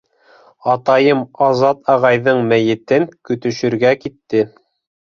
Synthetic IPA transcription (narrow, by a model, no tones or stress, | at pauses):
ɑt̪ɑjɤmɑzɑt̪ɑʁɑjðɤɴmæjɘ̆t̪ɘnkɵ̆t̪ɵ̆ʃɵ̆ɾɡækit̪ːɘ